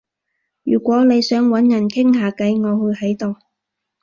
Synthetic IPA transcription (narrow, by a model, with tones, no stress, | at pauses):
jyː˨˩kʷɔː˨˥ne˨˧jsœː˨˥ŋwɐ˨˥njɐ˨˩nkʰɪ˥ŋɦaː˨˧kɐ˨˥jŋɔː˨˧hɵ˧jhɐ˨˥jt̪o˨w